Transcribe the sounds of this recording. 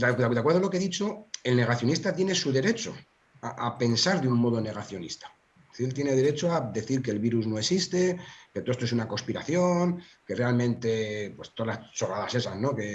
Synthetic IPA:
d̪ad̪ed̪kwɾðolo̞keðit͡ʃo̞e̞lne̞ɣaθjo̞nist̪at̪je̞ne̞suðe̞ɾe̞t͡ʃo̞̰ | aʔape̞nsaɾðeuŋmo̞ð̞o̞ne̞ɣ̞aθjo̞nist̪ḁ | θiɾelt̪je̞ne̞ð̞e̞ɾe̞t͡ʃoaðe̞θiɾke̞lβiɾuznoesist̪e̞ket̪oest̪oes̬unako̞spiɾaθjo̞ŋke̞realmẽ̞nt̪e̞pwe̞st̪oðalast͡ʃo̞ɣaðase̞sazno̞ke̞

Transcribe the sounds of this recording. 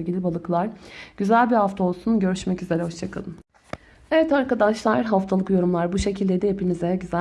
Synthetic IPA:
jʲɟilʲibalˠɯklˠaɾɟ̥yzælʲbihaft̪ʰao̞lˠsunɟø̞ɾyʃmɛcyze̞ɾɛho̞ʃt͡ʃʰakʰa̰d̪ˠɯm | evɛt̪aɾkad̪aʃlˠaɾɦaft̪ʰalˠɯkjo̞ɾumlˠaɾbuʃe̞cʰilʲd̪ed̪ɛjepʰinizeɟyzæ

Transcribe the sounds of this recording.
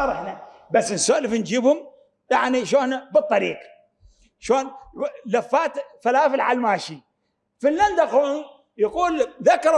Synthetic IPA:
ɑɾˤɪħnabasːnsoːʔlɪfnd͡ʒiːbhʊm | jaʕniʃoːnabɨt̪ˤːɑɾiːq | ʃoːnlafːaːt̪falaːfɪlʕalmaːʃi | finːand̪aquːn | jaquːlðakːɑɾˤ

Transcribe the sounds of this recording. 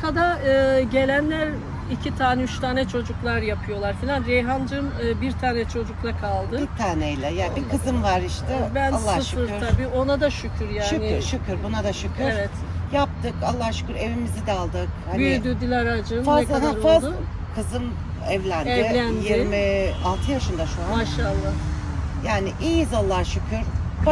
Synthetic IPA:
kʰad̪aɯːɟe̞lʲænlʲæɾ | icʰit̪ʰaːnɛyt͡ʃt̪ʰaːnɛt͡ʃʰo̞d͡ʒuklˠaɾjapʰɯjo̞lˠaɾfilʲanɾejɦand͡ʒɯmɯːbiɾt̪ʰaːnɛt͡ʃʰo̞d͡ʒuklˠakʰalˠd̪ɯit̪ʰaːnɛjlʲɛjaːnbikʰɯzɯmvaɾiʃt̪ʰɛbænalsˠːahʃɯɾt̪ʰabiːo̞nad̪aʃycʰyɾjaʃːnɪɾʃucʰɯɾbunad̪aʃycʰyeɾvɛt̪ | jap̚t̪ɯkalˠːahʃy̥kɯɾe̞vimizid̪ɛalˠd̪ɯkhanyɪd̪yd̪ilʲaɾad͡ʒɯnfazˠahafaz | kʰɯzɯm | ɛvlʲændɪændjiɾmialˠt̪ʰɯjaʃɯnd̪aʃuaaʃalˠːajaːniʔijizalˠːahʃukʰɯɾ̥

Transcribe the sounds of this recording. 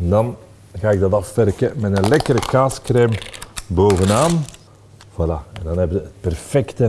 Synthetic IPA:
ɛndɑn | ɣaːɪɡ̚dɑtɑffɛrkəmɛtənlɛkəɾəkaːskreːmboːvənaːn | v̥alaɛndɑnɦɛbəəət̚pɛrfɛktə

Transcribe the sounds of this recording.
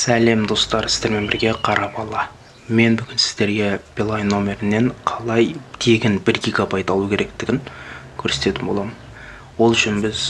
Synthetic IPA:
sæle̞md̪o̞st̪ɑɾɪzd̪e̞ɾme̞nbɪɾɡʲe̞qʰɑɾɑpɑlˠɑ | me̞nbʏɡʲɪnsɪ̥zd̪e̞ɾɡʲe̞b̥ilˠajnːo̞mʲe̞ɾɪnːe̞ɴqʰɑlˠɑjt̪ʰe̞ɡʲɪnbɪɾɡʲiɡabɑjt̪ɑlˠukʲʰe̞ɾe̞k̚t̪ɪɡʲɪŋkʲʰɵɾse̥t̪e̞t̪ɪmbo̞lˠɑmən | wo̞lˠʏʃɪnbɪz

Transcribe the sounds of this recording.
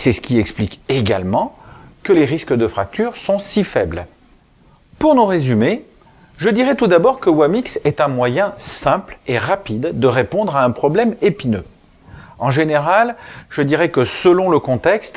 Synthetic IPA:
sɛsə̥kʲiɛksplikeɡa̰lmɑ̃kəleʁiskəd̪əfχak̚t̪yʁsɔ̃sifɛbl | puʁnuʁezyme | ʒəd̪iʁɛt̪ud̪abɔʁkəwamiksɛt̪ɛ̃mwajɛ̃sɛ̃pleʁapid̪d̪əʁepɔ̃d̪ʁaɛ̃pχɔblɛmepinø̰ | ɑ̃ʒeneʁalʒəd̪iʁɛkəsəlɔ̃ləkɔ̃t̪ɛkst̪

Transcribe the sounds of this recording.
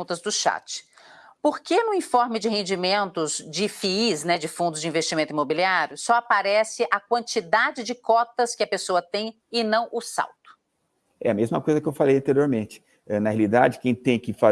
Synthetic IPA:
ũt̪ɐzd̪ʊʃa̰t͡ʃɪ̥poɾkenʊĩfɔɾmɪd͡ʒɪɦẽnd͡ʒimẽnt̪ʊzd͡ʒɪfiiznɛd͡ʒɪfũnd̪ʊzd͡ʒɪĩvest͡ʃimẽnt̪imobiliaɾjʊsɔapaɾɛsɪʔɐkwɐ̃nt͡ʃid̪ad͡ʒɪd͡ʒɪkɔt̪ɐskɪɐpesoɐt̪ẽj̃ | ɪnɐ̃w̃ʔʊsa̰wt̪ʊ̥ | ɛɐmezmɐkojzɐkɪewfalejɐ̃t̪eɾioɾmẽnt͡ʃɪ̥ | ɛnɐɦealid̪a̰d͡ʒɪkẽj̃t̪ẽj̃kɪfa

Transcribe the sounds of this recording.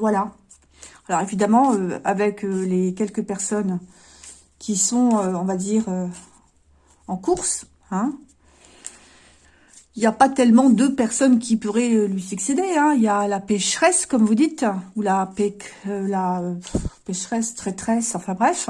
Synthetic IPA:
vwala | alɔʁevid̪amɑ̃øavɛkølekʲɛlkəpɛʁsɔn | kʲʰisɔ̃øɔ̃vad̪iʁø | ɑ̃kuʁs | ɛ̃ | iljapat̪ɛlmɑ̃d̪øpɛʁsɔnkʲipuʁɛølɥisyksed̪eɛ̃iljalapɛʃχɛskɔmvud̪it̪ulapɛølaøpɛʃχɛst̪χɛt̪χɛsɑ̃fɛ̃bʁɛf

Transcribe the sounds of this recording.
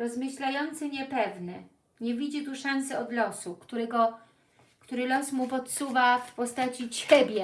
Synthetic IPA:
ɾɔzmɘɕlajɔnt̪sɘɲɛpɛvnɘ | ɲevʲid͡ʑit̪uʂansɘɔd̪lɔsukt̪uɾɛɡɔ | kt̪uɾɘlɔsmup̬ɔt̪suvafpɔst̪at͡ɕit͡ɕɛbʲjɛ

